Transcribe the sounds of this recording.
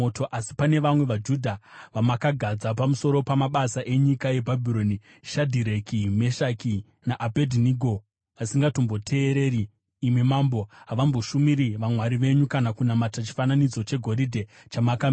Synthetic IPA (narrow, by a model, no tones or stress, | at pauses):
oto̞ʔasi̥pane̞ʋamwe̞ʋad͡ʒudʱaʋamakaɡʱad͡zapamuso̞ɾo̞pamaɓasaʔe̞ɲikaje̞bʱabʱiɾo̞ni | ʃadʱiɾe̞kime̞ʃaki | naʔabʱedʱiniɡʱo̞ | asiŋɡato̞mbo̞tʰe̞ːɾe̞ːɾiː | mwimaːmbo̞ɦaʋambo̞ʃumiɾiʋamwaɾiʋe̞ɲukanakunamatat͡ʃi̥fananid͡zo̞t͡ʃe̞ɡʱo̞ɾidʱe̞ | t͡ʃamaka